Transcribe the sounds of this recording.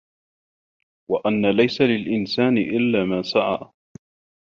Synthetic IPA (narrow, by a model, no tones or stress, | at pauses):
waʔanːalajsalɪlʔɪnsaːnɪʔɪlːaːmaːsaʕa̰ː